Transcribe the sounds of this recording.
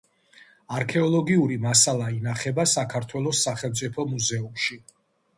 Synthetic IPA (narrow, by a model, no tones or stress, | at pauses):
aɾkʰɛɔlˠɔɡiuɾimasalˠainaχɛbasakʰaɾt̪ʰwɛlˠɔsːaχɛlˠmt̪sʼipʰɔmuzɛumʃi